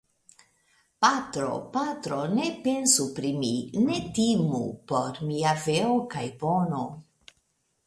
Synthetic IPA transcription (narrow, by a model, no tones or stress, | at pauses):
patɾo̰patɾo̞ne̞pe̞nsupɾimine̞timṵpo̞ɾmiaveokajbo̞no̞